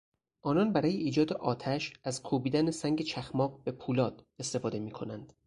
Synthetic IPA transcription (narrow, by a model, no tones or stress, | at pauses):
ʔɒːnɒːnbæɾɒːjeiːd͡ʒɒːd̪eʔɒːt̪ʰæʃæzkʰuːbiːd̪ænesæŋɟe̞t͡ʃʰæxmɒːɢbe̞pʰuːlɒːd̪̥e̞st̪e̞fɒːd̪e̞miːkʰo̞nænd̪̥